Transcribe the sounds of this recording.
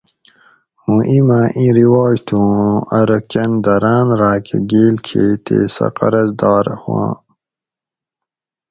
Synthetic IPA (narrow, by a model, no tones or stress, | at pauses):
hũʔimãʔĩːɾiwaːd͡ʑt̪ʰũɐɾɐkend̪ɐɾaːnɾaːkʰeɡeːlkʰeːt̪ḛːsɐ̰qɐ̰ɾɐzd̪aːɾhuã̰ː